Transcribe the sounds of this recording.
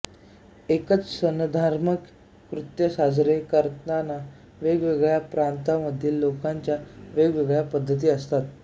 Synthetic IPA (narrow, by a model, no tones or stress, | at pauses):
ekət͡ssənd̪ʱaɾməkː | ɾut̪jəsad͡zɾekəɾt̪ənana | ʋeɡʋeɡɭjapɾant̪aməd̪ʱːiːlːokaɲt͡ɕjaʋeɡʋeɡɭjapəd̪ʱːət̪̬iːəst̪at̪̚